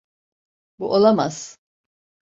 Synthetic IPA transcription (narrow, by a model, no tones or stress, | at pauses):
buʔolˠama̰z̥